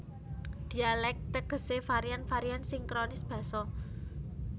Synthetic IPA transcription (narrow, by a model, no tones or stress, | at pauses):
d̪̥i̤alɛk̚t̪əɡ̥ə̤sefaɾijanfaɾiansiŋkɾonɪsb̥ä̤sɔ